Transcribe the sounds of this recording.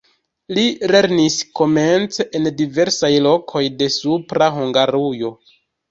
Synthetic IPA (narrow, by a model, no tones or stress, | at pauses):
lile̞ɾnisko̞me̞nt͡seʔendive̞ɾsajlo̞kʰo̞jde̞supɾaɦuŋɡaɾujo̞